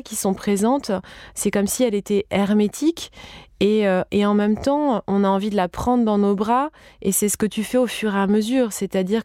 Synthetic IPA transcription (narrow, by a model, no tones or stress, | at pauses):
kʲisɔ̃pχezɑ̃t̪sɛkɔmsiɛlet̪ɛɛʁmet̪ʰikʲeøʔeɑ̃mɛmt̪ɑ̃ʔɔ̃naɑ̃vid̪əlapχɑ̃d̪ʁd̪ɑ̃nobʁaesɛsə̥kət̪yfɛofyʁeaməzyːʁsɛt̪ad̪iʁ